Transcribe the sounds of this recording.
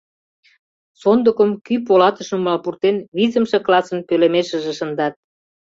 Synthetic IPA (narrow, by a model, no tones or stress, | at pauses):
sond̪əkəmkyp̬olɑt̪ə̆ʃə̆mlɑlpurt̪enβizəmʃĕklɑsə̆npølemeʃə̆ʒĕʃə̆nd̪ɑt̪̚